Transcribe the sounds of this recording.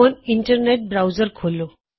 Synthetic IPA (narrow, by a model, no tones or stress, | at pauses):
oniɳʈəɾneʈ̚bɾawd͡zəɾkʰolːo